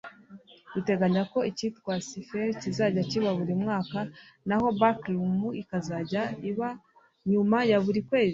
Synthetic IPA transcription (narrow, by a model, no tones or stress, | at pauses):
ite̞ɡaɲako̞icitwaːsifeɾcizaɟaciβaβuɾimŋaːkanaho̞baklumuikazaɟaiβa | ɲumajaβuɾikwe̞ːzi